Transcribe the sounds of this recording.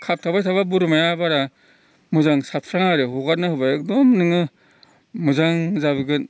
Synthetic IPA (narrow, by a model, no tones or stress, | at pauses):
kʰap̚tʰabajtʰaβabuɾmajabaɾa | muzaŋsat̚pʰɾaŋaɾɯɦuɡat̚nahɯbaek̚dɔmnɯŋɯ | muzaŋzabɯɡɯn